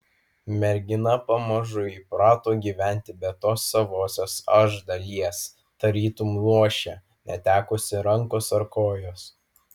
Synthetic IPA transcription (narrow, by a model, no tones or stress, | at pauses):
mʲɛɾʲɡʲɪnɐpɐmɐʒʊiːpɾɑːt̪oːɡʲiːʋʲæˑnʲt̪ʲɪbʲɛt̪oːsːɐʋoːsʲoːsɐʒd̪ɐlʲiɛs | t̪ɐɾʲiːt̪umlˠuɔʃʲɛ | nʲɛt̪ʲæːkʊsʲɪɾɐŋkosɐɾkoːjoːs